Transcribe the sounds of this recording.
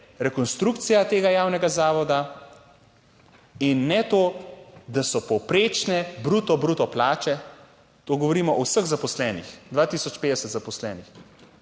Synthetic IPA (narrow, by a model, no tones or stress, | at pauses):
ɾɛkɔnst̪ɾukt̪sijat̪eːɡajaːwnɛɡazaːʋɔd̪a | inːɛt̪oːd̪asɔpɔwpɾeːt͡ʃnɛbɾuːt̪ɔbɾuːt̪ɔplaːt͡ʃɛ | t̪oːɡɔʋoɾiːmɔʔɔwsəɣzapɔslɛːnḭxd̪ʋaːt̪isɔt͡ʃpeːd̪ɛsət̪zapɔslɛːnix